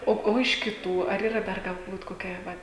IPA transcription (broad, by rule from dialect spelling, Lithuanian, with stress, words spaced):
ˈoː ˈoː ɪʃ kʲɪˈtuː ɐr iːˈrɐ ˈdɐr ɡɐlˠˈbuːt koːˈkʲɛ ʋɐt